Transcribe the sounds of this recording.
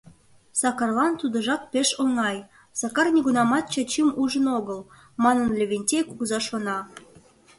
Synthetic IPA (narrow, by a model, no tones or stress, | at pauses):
sɑkɑrlɑnt̪ud̪ə̆ʒɑk̚peʃoŋɑj | sɑkɑrnʲiɡunɑmɑt̪̚t͡ɕə̆t͡ɕimuʒənoɣəl | mɑnənlʲeβʲenʲtʲejkuɣzɑʃonɑ